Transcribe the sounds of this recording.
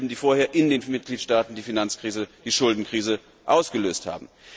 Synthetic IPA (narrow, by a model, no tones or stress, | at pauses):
bn̩diːfoːɐheːɐʔɪndeːnmɪt̚ɡ̥liːtʃtaːtn̩diːfinant͡skʁ̥iːzəd̥iːʃʊldn̩kʁ̥iːzə | ʔaʊsɡ̥əløːstha̰ːbm̩